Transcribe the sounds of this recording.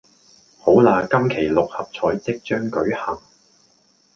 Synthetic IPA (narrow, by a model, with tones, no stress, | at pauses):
ho˨˥wlaː˨kɐ˥mkʰe˨˩jlʊ˨k̚hɐ˨p̚t͡sʰɔː˨˥jt͡sɪ˥k̚t͡ʃœː˥ŋkɵ˨˥ɥhɐ˨˩ŋ